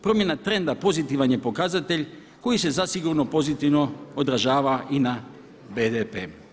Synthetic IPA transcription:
pɾo̞mje̞nat̪ɾe̞nd̪apo̞zit̪iʋanjepo̞kazat̪e̞ʎʲ | ko̞jise̞zasiɡuɾno̞po̞zit̪iʋno̞od̪ɾaʒaːʋaʔina | bed̪epeː

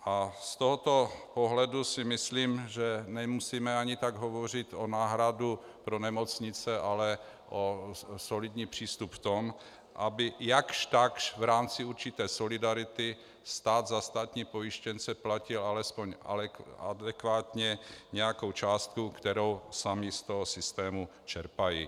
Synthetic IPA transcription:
ʔast̪oɦot̪o̞poɦlɛdusɪmɪsliːmʒɛnɛmusiːmɛaɲɪt̪aɡɦovor̝ɪt̪onaːɦɾadu | pɾo̞nɛmot͡sɲɪt͡sɛʔalɛ | ʔoso̞lɪd̪ɲiːpr̥iːst̪upft̪om | ʔabɪjakʃt̪akʃvɾaːmt͡sɪuɾt͡ʃɪt̪ɛːso̞lɪdaɾɪt̪ɪ | st̪aːd̪zast̪aːt̪ɲiːpo̞jɪʃcɛnt͡sɛplacɪlalɛspo̞ɲa̰ɛa̰dɛkvaːt̪ɲɛɲɛjakowt͡ʃaːst̪̚kukt̪ɛɾo̞wsamɪst̪oɦosɪst̪ɛːmut͡ʃɛɾpajḭ

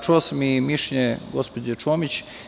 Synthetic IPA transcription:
t͡ʃuosamimiʃɲeɡospod͡ʑet͡ʃoːmit͡ɕ

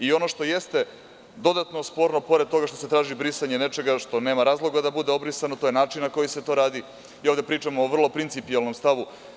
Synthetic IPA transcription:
io̞no̞ʃt̪o̞jest̪e̞ | d̪o̞d̪at̪no̞spo̞ɾno̞po̞ɾed̪̚t̪oɡaʃt̪o̞se̞t̪ɾaːʒibɾisaɲene̞t͡ʃe̞ɡaʃt̪o̞ne̞ːmaɾaːzlˠo̞ɡad̪abud̪e̞o̞bɾisanot̪o̞je̞naːt͡ʃinnako̞jise̞t̪o̞ɾaːd̪i | ioʋd̪epɾiːt͡ʃamoːʋr̩lˠo̞pɾint̪sipialˠno̞mst̪aʋu

